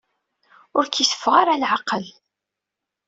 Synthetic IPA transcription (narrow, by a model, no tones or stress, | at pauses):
ʊɾkisə̥fːʁaɾalʕaqəl